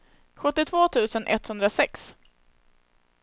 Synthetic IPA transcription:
ɧɵt̪ːɪt̪ʰvoːt̪ʰʉ̟ːsənʔɛ̰t̪hɵnd̪ɾasɛks

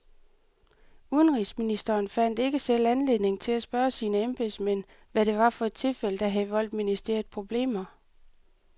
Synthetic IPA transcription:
uðˠənʁisminisd̥ɐːnfæn̰d̥e̝ɡ̥əsel̰ænle̝ðˠne̝ŋt͡sʰe̝læsb̥ɶːɐsiːnəemb̥e̝smen̰ | ʋæɾe̝ʋɑ̈fɒ̽e̝d̥̚t͡sʰe̝lfel̰əd̥æɦæðˠʋɒ̽l̰d̥̚minisd̥ḛɐð̩ˠpʰʁo̝b̥le̝̰ːmɐ

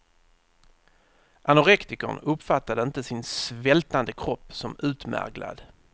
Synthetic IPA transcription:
ʔanʊɾɛkt̪ɪkə̰ɳɵpːfat̪ːad̪əɪnt̪əsɪnsvɛlt̪and̪əkʰɾɔpːsɔmʉ̟ːt̪mæ̰ɾɡla̰d̪

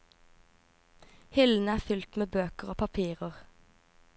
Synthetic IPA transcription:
hɪln̩æːfʏlt̪meːbøːkəʁoːpʰɑpʰiːʁəʁ

